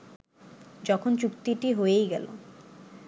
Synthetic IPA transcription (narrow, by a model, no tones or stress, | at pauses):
d͡ʑɔkʰont͡ɕukt̪iʈiɦoejɡɛlo̰